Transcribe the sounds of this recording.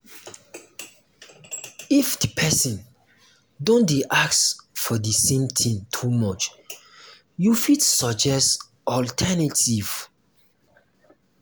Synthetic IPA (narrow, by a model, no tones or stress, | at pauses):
ifdipʰɛsĩn | dõndeʔaksfɔdisẽmtʰĩntʰumɔt͡ʃ | jufidsɔd͡ʒɛst | ɔltʰɛnatʰiv̥